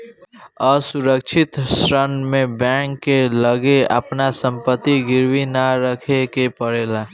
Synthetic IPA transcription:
əsuɾəkt͡ʃʰɪt̪sɾənmẽbɛ̃ŋkːeləɡeə̰pnasə̃mpət̪ːiɡɪɾwinaɾəkʰekepəɽeːla

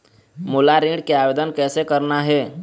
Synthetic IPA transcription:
molaɾĩɖkeabed̪ənkɛːsekəɾnaɦɛ

